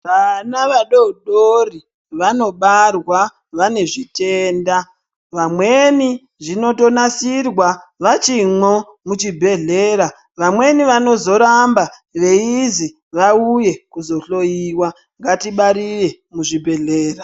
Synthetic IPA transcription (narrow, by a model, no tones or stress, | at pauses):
ʋanaʋaɗouɗori | ʋano̞ɓarwa | ʋane̞ʐite̞ːnda | ʋamwe̞ni | ʐino̞to̞nasirwaʋat͡ʃimo | mut͡ʃibʱe̞ɮe̞ɾa | ʋamwe̞niʋano̞zo̞ɾamba | ʋe̞izi | ʋauje̞kuzo̞ɬo̞jiːwa | ŋɡatiɓaɾiʋe̞ | muʐibʱe̞ɮe̞ːra